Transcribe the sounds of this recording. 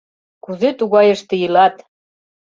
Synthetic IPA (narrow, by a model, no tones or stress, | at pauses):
kuzet̪uɣɑjə̆ʃt̪ĕjɯlɑt̪